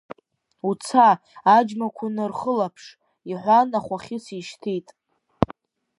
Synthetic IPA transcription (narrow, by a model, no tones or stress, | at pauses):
ut͡sʰaː | d͡ʒmakʷʰʊnɨrχəlapʰʂ | iħʷanaχʷaχʲɪsiʃtʰitʼ